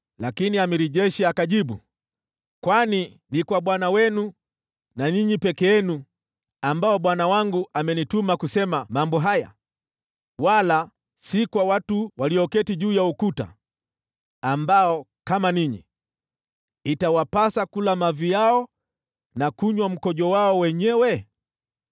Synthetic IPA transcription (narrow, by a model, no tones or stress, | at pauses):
lakiniamiɾiʄɛʃiakaʄiɓṵ | kwani | nikwaɓwanawɛnu | naɲiɲipɛkɛɛnu | ambaɔɓwanawaŋɡuʔamɛnitumakusɛmamambɔɦaja̰ | wala | sikwawatuwaliɔkɛtiʄuːjaukuta̰ | ambaɔ | kamaniɲḭ | itawapasakulamavijaɔ | nakuɲwam̩kɔʄɔwaɔwɛɲɛwɛ